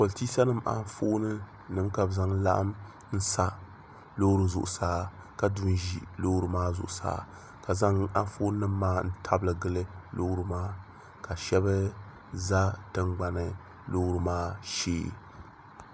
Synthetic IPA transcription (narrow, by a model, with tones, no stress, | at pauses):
ko˨ltiː˦sa˦nɨ˦mʔa̰˦n˦foː˦nɨ˦ | nɨ˦mka˨bza˦ŋla̰˦ʔa̰˦m | n̩˦sa˦ | lo˦hɾɨ˨zʊ̰˨ʔʊ˨saː˦ | ka˨du˦n˦ʒḭ˦lo˦hɾɨ˨maː˦zʊ̰˨ʔʊ˨sa̰ː˦ | ka˨za˦ŋa˦n˦fo˦n˦nɨ˦mːaː˦n̩˦tʰa˦blɨ˨ɡɨ˦lɨ˦lo˦hɾɨ˨maː˦ | ka˨ʃɛ˦bɨ˦ | za˦tɨ˦ŋɡ͡ba˨nɨ˨ | lo˦hɾɨ˨maː˦ʃḛː˦